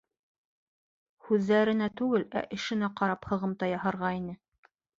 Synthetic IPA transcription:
hʉðːæɾɘ̆næt̪ʉɡɘlæ̰ʔɘ̆ʃɘ̆næqɑɾɑphɤ̆ʁɤ̆mt̪ɑjɑhɤɾʁɑinɘ

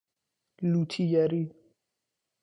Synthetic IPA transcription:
lutʰijaɾi

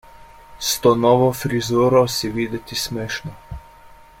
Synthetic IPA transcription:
st̪ɔnɔʋɔfɾizuːɾɔsiʋid̪ɛt̪ismeːʃnɔ

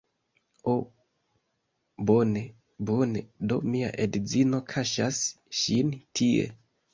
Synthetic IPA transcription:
o | bo̞ne̞ | bone̞do̞mia̰ʔedzino̞kʰaʃas | ʃintʰie̞̰

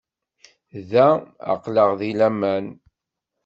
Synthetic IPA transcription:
ðæa̰qləʁðilæmæn

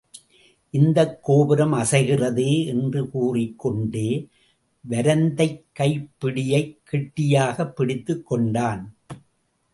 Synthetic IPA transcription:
ʔɪnd̪ɐkːoːʋɪɾɐmɐsɐɪɣɪrɐðeːɛndrɯkuːrɪkːɔɳɖeː | ʋɐɾɐnd̪ɐɪkːɐɪpːɪɽɪjɐɪkːɪʈːɪjaːɣɐpːɪɽɪt̪ːɯkːɔɳɖaːn

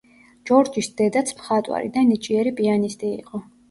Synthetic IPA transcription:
d͡ʒɔɾd͡ʒisd̪ɛd̪at̪sʰmχat̪ʼwa̰ɾḭd̪anit͡ʃʼiɛɾipʼianist̪ʼḭːqʼɔ

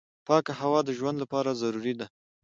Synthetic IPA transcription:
pɑkahawɑd̪əʒwand̪lapɑɾazaɾuɾid̪a

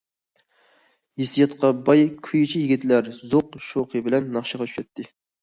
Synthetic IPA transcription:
jesijɑt̪qɑbɑjkʲʰyjit͡ʃʰijiɡʲit̪læɾzoqʃoqʰəbɪlɛnːɑχʃəʁɑt̪ʰy̥ʃɛt̪ʰːɪ

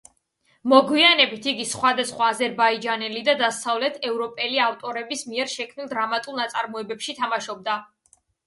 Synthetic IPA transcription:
mɔɡwianɛbit̪ʰiɡisχwad̪asχwaːzɛɾbaid͡ʒanɛlid̪ad̪asavlɛt̪ʰɛvɾɔpʼɛliaft̪ʼɔɾɛbismiɛɾʃɛkʰmnilˠd̪ɾamat̪ʼulˠnat̪sʼaɾmɔɛbɛpʃit̪ʰamaʃɔb̚d̪a

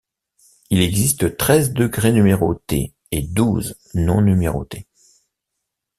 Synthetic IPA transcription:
ilɛɡzist̪ət̪χɛzd̪əɡʁenymeʁot̪ḛ | ed̪uz | nɔ̃nymeʁo̰t̪e

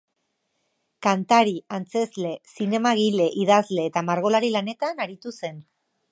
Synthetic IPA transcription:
kant̪aɾiant͡se̞zle̞sine̞maɣ̞ile̞ʔiðazle̞ːt̪amaɾɣ̞o̞laɾilane̞t̪anaɾit̪use̞n

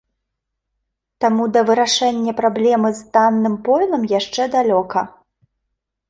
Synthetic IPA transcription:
t̪amud̪ɐvɨɾaʂɛnʲːɐpɾablʲɛmɨzd̪anːɨmpɔlˠɐmjaʂt͡ʂɛd̪alʲɔkɐ

